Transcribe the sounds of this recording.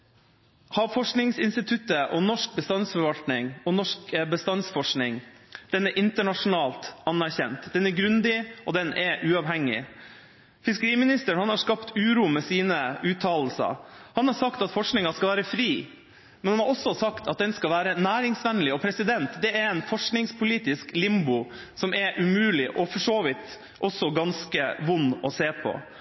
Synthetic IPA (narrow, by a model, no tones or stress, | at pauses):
hɑːfɔʂknɪŋsɪnst̪ɪt̪ʰʉt̪ːəʔɔnɔʂk̚bəst̪ɑnsfɔɾʋɑlt̪nɪŋɔnɔʂkəbəst̪ɑnsfɔʂknɪŋd̪̥ɛnɛɾʔɪnt̪əɳɑʂʊnɑːlt̪ɑnːæɾçɛnt̪d̪ɛnɛɾɡɾʉnd̪ɪɔd̪ɛnɛʔʉːɑːʋɦɛŋːɪ̰ | fɪskəɾiːmɪnɪst̪əɳhɑnhɑʂkɑpt̪ʉːɾuːmɛsiːnəʉːt̪ʰɑːll̩sɑ̰hɑnhɑɾsɑkt̪ɑt̪fɔʂknɪŋɑskɑʋæːɾəfɾiː | mɛnhɑnhɑɾɔsɔsɑkt̪ʰɑt̪̚d̪ɛnskɑlʋæːɾənæːɾɪŋsʋɛnlɪɔpʰɾɛsɪd̪ɛnt̪d̪ɛɛɾɛnfɔʂknɪŋspʰʊliːt̪ɪsklɪmbʊ | sɔmʔɛɾʔʉmʉːlɪʔɔfɔʂoːʋɪt̪ | ʔɔsːɔɡɑnskəʋʊnːɔseːpʰɔ̰